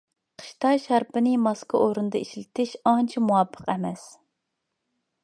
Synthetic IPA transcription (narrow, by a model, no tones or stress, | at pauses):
qʰə̥ʃt̪ɑʃɑɾpʰɨnɨmɑskɨʔoɾɨnɨd̪ɑiʃlɪt̪ʰɪʃɑnt͡ʃʰimuwɑpʰːə̥qɛmɛs